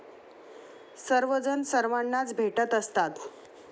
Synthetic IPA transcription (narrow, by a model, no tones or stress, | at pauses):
səɾʋəd͡zənsəɾʋaɳːat͡sbʱeʈət̪əst̪at̪